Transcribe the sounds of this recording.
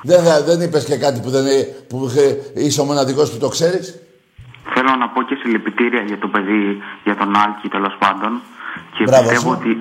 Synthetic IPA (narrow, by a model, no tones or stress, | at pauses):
ðeðe̞nipe̞scekɐt̪ipuðenpuiseomonɐðikosput̪o̞kse̞ɾis | θelo̞nɐpo̞ce̞silepit̪iɾiɐʝɐt̪o̞pe̞ðiʝɐt̪o̞nɐlcit̪e̞lo̞spɐnd̪o̞ncebɾiɐsvot̪e̞voot̪i